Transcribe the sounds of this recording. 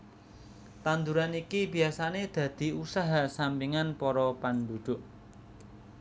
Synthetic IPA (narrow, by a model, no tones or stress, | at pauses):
t̪and̪uɾanikibi̤asaned̪̥ä̤d̪̥i̤usaɦasampiŋanpɔɾɔpand̪ud̪̥ʊ̤ʔ